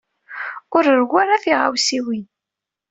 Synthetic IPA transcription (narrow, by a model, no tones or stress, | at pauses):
ʊɾəɾɣʷaɾaθiʁa̰wsiwin